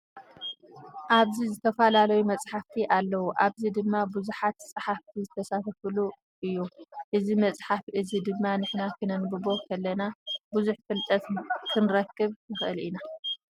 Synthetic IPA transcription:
ʔaβzizɨt̪ʰɐfalalɐjumɐt͡sʼħaft̪ʰiʔalːɐwuʔaβzid̪ɨmːabuzuħat̪t͡sʼɨħaft̪ʰizɨt̪ʰɐsat̪ʰɐfɨlu | ʔɨjːuʔɨzimɐt͡sʼħafʔɨzid̪ɨmːanɨħnakʰɨnɐnbɨbo̞kʰɐlːɐnabuzuħfɨlt̪ʼɐt̪kʰɨnɾɐkːɨβkʰɨxʔɨlʔina

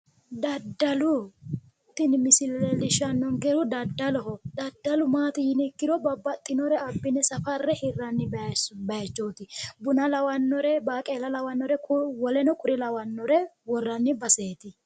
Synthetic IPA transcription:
d̪ɐd̪ːɐlʊ | t̪ːɪnmɪsɪlɛlɪʃɐnːɔŋɡɛɾʊd̪ɐd̪ːɐlɔɦɔd̪ɐd̪ːɐlʊmaːt̪ɪjɪnɪkːɪd̪ɔbɐbːɐt̪ʼːɪnɔɾɛɐbːɪnɛsɐfɐrːɛhɪrːɐnːɪbbɐt͡ʃːoːt̪ɪbʊnɐlɐwɐnːɔɾɛbaːkʼeːlɐlɐwɐnːɔɾɛkʊwɔlɛnɔkʼʊɾɪlɐwɐnːɔɾɛwɔrːɐnːɪbɐse̞ːt̪ɪ

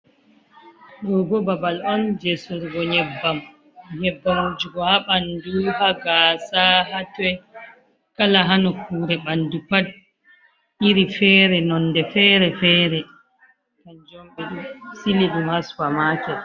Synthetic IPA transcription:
ɗɔɡɔbabalɔnd͡ʒɛsuɾɡɔɲɛbːam | ɲɛbːamud͡ʒuɡɔhaɓanduhaɡasahatɛ | kalaɦanɔkuːɾɛɓandupad̚ | ʔiɾifɛːɾɛnɔnːdɛfɛɾɛfɛːɾɛ | tand͡ʒɔmɓɛɗusiliɗumaswamaːkɛ

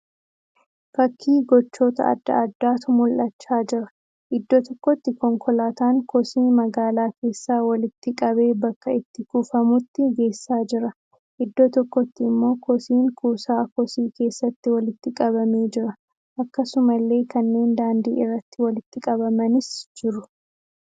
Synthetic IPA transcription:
fɐkʰːiːɡɔt͡ʃːo̞ːt̪ɐ̰ɐ̰d̪ːɐ̰ɐd̪ːaːt̪ʊmʊlʔɐt͡ʃːaːd͡ʒɪɾɐ | ʔɪd̪ːot̪ɔkːɔt̪ːɪkɔŋkʰɔlaːt̪aːŋkɔsiːnmɐɡaːlaːkʰe̞ːsːaːwɐlɪt̪ːɪkʼɐβe̞ːbɐkːɐɪt̪ːɪkufɐmʊt̪ːɪɡe̞ːsːaːd͡ʒɪɾɐ | ʔɪd̪ːoːt̪ɔkːɔt̪ːɪɪmːo̞ːkɔsiːŋkʰuːsaːkɔsiːkʰe̞ːsːɐt̪ːɪwɐlɪt̪ːɪkʼɐβɐme̞ːd͡ʒɪɾɐ | ʔɐkːɐsʊmɐlːe̞ːkʰɐnːe̞ːnd̪aːnd̪ḭːɪrːɐt̪ːɪwɐlɪt̪ːɪkʼɐbɐmɐnɪsd͡ʒɪɾʊ̥

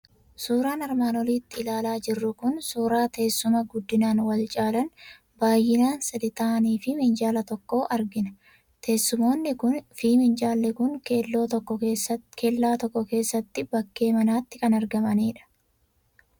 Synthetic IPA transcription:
suːɾaːnɐɾmaːnɔliːt̪ːɪːlaːlaːd͡ʒɪrːʊkʊnsuːɾaːt̪e̞ːsːʊmɐɡʊd̪ːɪnaːnwɐlt͡ʃʼaːlɐn | baːjːɪnaːnsɐd̪ɪt̪aːniːfɪmɪnd͡ʒaːlɐt̪ɔkːo̞ːʔɐɾɡɪnɐ̥ | t̪ʰeːsːʊmo̞ːnːɪkʊnfiːmɪnd͡ʒaːlːɛkʊŋelo̞ːt̪ɔkːɔekʰelːaːt̪ɔkːɔke̞ːsːɐt̪ːɪbɐkːe̞ːmɐnaːt̪ːɪkɐnɐɾɡɐmɐniːᶑɐ̥

